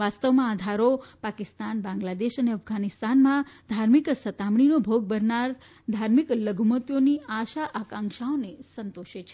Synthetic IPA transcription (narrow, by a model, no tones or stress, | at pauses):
ʋast̪əʋmãad̪ʱaɾopakist̪anbãŋɡlad̪eʃəneəfɡanist̪anmãd̪ʱaɾmiksət̪amɳ̃inobʱoɡ̚bəɾnaɾ | d̪ʱaɾmikləɡʱmət̪joniaʃaʔakãŋkʃaonesənt̪oʃet͡ʃʰe